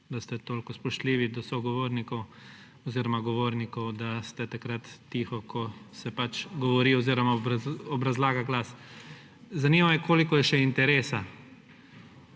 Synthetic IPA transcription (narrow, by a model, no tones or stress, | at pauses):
d̪ast̪ɛt̪oːlkɔspɔʃt̪liːʋid̪ɔsɔɡɔʋoːɾnikɔw | ɔziːɾɔmaɡɔʋoːɾnikɔwd̪ast̪ɛt̪akɾat̪ːixɔkʰɔsɛpat͡ʃɡɔʋɔɾiɔziːɾɔmaɾɔbɾazlaːɡaɡlaːs | zanimamɛkʰoːlikɔjɛʃɛint̪ɛɾeːsa